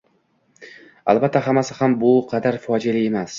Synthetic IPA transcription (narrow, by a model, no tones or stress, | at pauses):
a̰lbat̪ʰːaɦamasɪhambʊqʰɑd̪aɾfɒd͡ʒalɪe̞mas